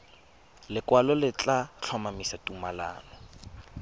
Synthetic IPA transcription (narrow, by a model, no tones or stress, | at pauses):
lɪkwalɔlɪt͡ɬat͡ɬʰɔmamisatumala̰ːnɔ